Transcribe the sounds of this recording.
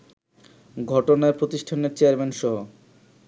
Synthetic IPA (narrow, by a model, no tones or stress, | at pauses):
ɡʱɔʈonaeɾpɾot̪iʃʈʰaneɾt͡ɕeaɾmenʃɔɦo